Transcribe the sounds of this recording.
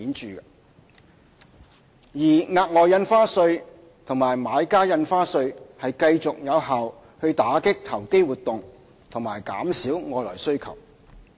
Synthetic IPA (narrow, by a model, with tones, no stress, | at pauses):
iː˨˥nt͡ʃyː˨˩˧ | jiː˨˩ŋaː˧t̚ŋɔː˨˧jɐ˧nfaː˥sɵ˧ɥ | t̪ʰʊ˨ŋmaː˨˩jmaː˨˧jkaː˥jɐ˧nfaː˥sɵ˧ɥhɐ˨jkɐ˧jt͡sʊ˨k̚jɐ˨˧wɦaː˨w | hɵ˧ɥt̪aː˨˥kɪ˥k̚t̪ʰɐ˨˩wke˥jwuː˨˩t̪ːʊ˨ŋ | t̪ʰʊ˨˩ŋmaː˨˩jka̰ː˨˥msiː˨˥wŋɔː˨˧lɔ̰ː˨˩jsɵ˥ɥkʰɐ̰˨˩w